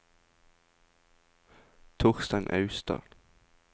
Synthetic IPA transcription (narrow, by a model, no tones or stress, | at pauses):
t̪ʰʊʁst̪ɑɪnʔɑʉst̪ɑ̰ːl